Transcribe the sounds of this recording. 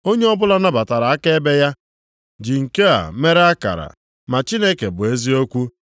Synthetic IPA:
o˦ɲe˦ɔ˦bʊ˦la˦na˦ba˨ta˨ɾa˨a˦ke˦e˦be˦ja˦ | d͡ʒi˨ŋ̩˨ke˦a̰˨me˦ɾe˦a˦ka̰˨ɾa̰˨ | ma˨t͡ʃi˦ne˦ke˨bʊ˨e˦zi˦o˦kʷu˦

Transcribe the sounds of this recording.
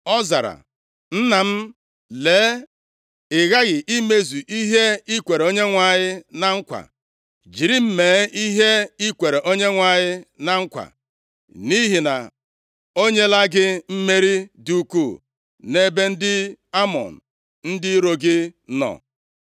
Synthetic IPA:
ɔ˦za̰˨ɾa̰˨ | n̩˦na˨m̩˦ | leː˨˦ | ɪ˨ɣa˦ɣɪ˨ʔi˦me˦zu˨ʔi˦ɦe˦i˦kʷe˨ɾo˦ɲe˦ŋʷa˨ɲɪ˦na˨ŋ̩˦kʷa̰˨ | d͡ʒi˨ɾi˦m̩˦meː˨˦i˦ɦe˦i˦kʷe˨ɾe˨ʔo˦ɲe˦ŋʷa˨ɲɪ˦na˨ŋ̩˦kʷa̰˨ | ni˦ɦi˨na̰˨ | o˦ɲe˦la˦ɡɪ˦m̩˦me˦ɾi˦du˦ku˦˨ | ne˦be˦n̩˦dɪ˦a˦mɔ̰˨n̩˨ | n̩˦dɪ˦ɾo˨ɡɪ˦nɔ̰˨

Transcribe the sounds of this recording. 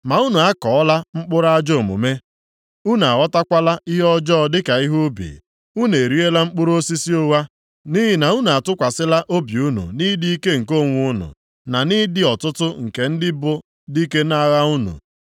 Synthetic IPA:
ma˨u˦nu˨a˦kɔ˨ɔ˦la˦ŋ͡m̩˦k͡pʊ˦ɾa˦a˦d͡ʒo˦˨mṵ˨me˦ | u˦n˨a˨ɣɔ˦ta˦kʷa˦la˦i˦ɦɔ˦d͡ʒɔː˦dɪ˦ka˨i˦ɦu˦bḭ˨ | u˦ne˨ɾi˦e˦la˦ŋ͡m̩˦k͡pʊ˦ɾo˦si˦si˦o˦wa˦ | ni˦ɦɪ˨na˨u˦nu˨a˨tʊ˦kʷa˨sɪ˦la˦ʔo˦bju˦nṵ˨ni˦di˦i˦ke˦ŋ̩˨ko˦˨ŋʷʊ˦ʊ˦nʊ̰˨ | na˨ni˦dɪ˦ɔ˨tʊ˦tʊ˦ŋ̩˨ke˨n̩˦dɪ˦bʊ˦ | di˦ke˦na˦ɣa˦u˦nṵ˨

